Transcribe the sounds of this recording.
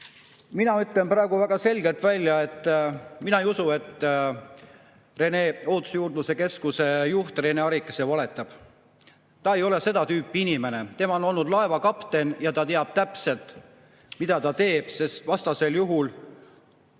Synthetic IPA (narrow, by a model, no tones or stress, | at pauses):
minɑyt̪lemprɑeɡ̥uvæɡ̥ɑse̞lʲɡe̞lt̪vælʲːjɑe̞t̪ːˑminɑejusue̞t̪ːˑ | re̞ne̞oːt̪u̥sjuːrd̪nuse̞ke̞skuse̞juht̪re̞neɑɾikːˑese̞vɑle̞t̪ːˑɑb̥ | t̪ɑe̞jo̞le̞se̞d̪̥ɑt̪yːpˑːiinime̞ne̞t̪e̞mɑo̞no̞lnud̪lɑe̞vɑkɑpt̪e̞njɑt̪ɑt̪eɑb̥̚t̪æpse̞lt̪ˑ | mid̪̥ɑt̪ɑt̪e̞ːb̥se̞st̪vɑst̪ɑse̞ljuɦul